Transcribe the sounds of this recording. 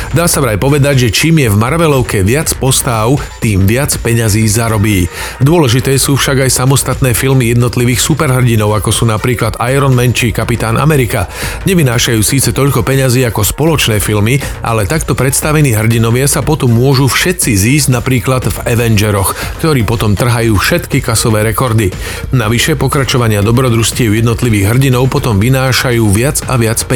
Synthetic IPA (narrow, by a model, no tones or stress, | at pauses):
d̪aːsaʋɾajpɔʋɛd̪aɟʒɛt͡ʃiːmjɛvmaɾʋɛlɔʊkɛʋɪat͡spɔst̪aʊ | t̪iːmʋɪat͡spɛɲaziːzaɾɔbiː | d̪ʊɔlɛʒit̪ɛːsuːfʃaɡajsamɔst̪at̪nɛːfilmijɛd̪nɔt̪liʋiːxsupɛɾɦr̩ɟinɔʊakɔsuːnapɾiːklad̪ajɾɔnmɛnt͡ʃikapit̪aːnʔa̰mɛɾikaɲɛʋinaːʃajuːsiːt͡sɛt̪ɔʎkɔpɛɲaziːakɔspɔlɔt͡ʃnɛːfilmi | ʔa̰lɛt̪akt̪ɔpɾɛt̪st̪aʋɛniːɦr̩ɟinɔʋɪasapɔt̪ɔmːʊɔʒufʃɛt̪t͡siziːzɟnapɾiːklad̪vɛʋɛnd͡ʒɛɾɔxkt̪ɔɾiːpɔt̪ɔmt̪r̩ɦajuːfʃɛt̪kikasɔʋɛːɾɛkɔɾd̪i | naʋiʃɛpɔkɾat͡ʃɔʋaɲɪad̪ɔbɾɔd̪ɾuscɪɛʊjɛd̪nɔt̪liʋiːɣɦr̩ɟinɔʊpɔt̪ɔmʋinaːʃajuːʋɪad͡zaʋɪat͡spɛ